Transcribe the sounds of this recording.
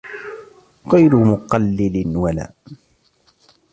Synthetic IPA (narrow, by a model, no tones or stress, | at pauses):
ɣajɾʊmʊqɑlːɪlɪnwala̰ː